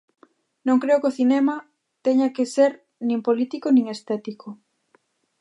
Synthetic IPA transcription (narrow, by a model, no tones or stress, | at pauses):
nõŋkɾeokoθinɛmɐ | t̪ɛɲakeseɾ | nĩmpolit̪ikonĩŋest̪ɛt̪ikʰo